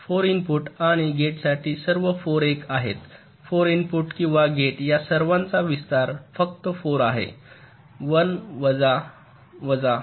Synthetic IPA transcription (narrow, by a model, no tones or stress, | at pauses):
foɾinpuʈaɽ̃iɡeʈsaʈʰiːsəɾʋəfoɾekaɦḛt̪ | foɾinfuʈkĩw̃ʋaɡeʈjasəɾʋãnt͡saʋist̪aɾfəkt̪əfoɾaɦḛ | ʋənʋəd͡za | ʋəd͡za